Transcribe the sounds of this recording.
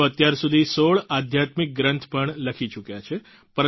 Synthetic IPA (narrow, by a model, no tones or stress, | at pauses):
oət̪jaɾsud̪ʱisoɭad̪ʱjat̪mik̚ɡɾə̃nt̪ʰpəɳləkʰit͡ʃukjat͡ʃʰe | pəɾə